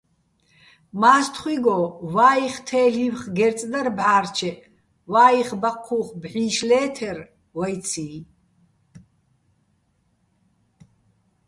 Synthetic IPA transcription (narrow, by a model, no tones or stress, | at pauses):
maːst̪ʰχwiɡɔwaːiχt̪ʰɛːɬiwχɡɛɾt͡sʼd̪arbʕaːrt͡ʃʰɛʔ | waːiχbaqʰːuːχbʕiːʃlɛːt̪ʰɛr | wajt͡sʰi